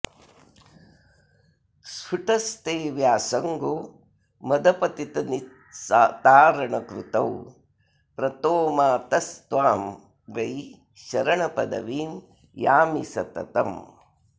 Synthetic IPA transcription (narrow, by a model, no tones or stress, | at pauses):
suʈɐst̪eːʋjaːsɐŋɡoː | mɐd̪ɐpɐt̪it̪ɐni | t̪aːɾɐɳɐkɾut̪ɐw | pɾɐt̪oːmaːt̪ɐst̪ʋaːm | ɡɐj | ʃɐɾɐɳɐpɐd̪ɐ̰ʋiːm | jaːmisɐt̪ɐ̰t̪ɐm